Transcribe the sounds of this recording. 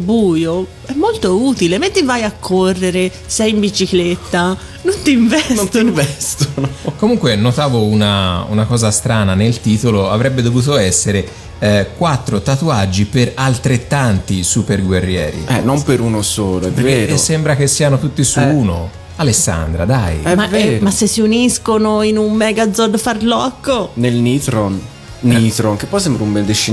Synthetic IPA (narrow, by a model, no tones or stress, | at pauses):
buːjo | ɛmːolt̪ouːt̪ilemet̪ːivajakʰːorːeɾe | sɛjimbit͡ʃiklet̪ːa | nont̪iɱvɛnɱvɛst̪onokomuŋkwenot̪aːvounaṵnakɔːzast̪ɾaːnanelt̪iːt̪oloavɾɛbːed̪ovuːt̪oɛsːeɾe | kwat̪ːɾot̪at̪uad͡ʒːipeɾalt̪ɾet̪ːant̪isuperɡwerːjɛ̰ːɾḭɛ̰nːompeɾunosoːloɛpveɾːeːɾsːɛmbɾak̟esːianot̪ut̪ːisuuːno | alesːa̰nd̪ɾad̪ajɛmaɛmasːesːiuniskonoinummɛɡad̪zod̪farlɔkːonelnit̪ɾon | nit̪ɾonkepːɔjs̬ɛmbɾaumbɛnd̪et͡ʃi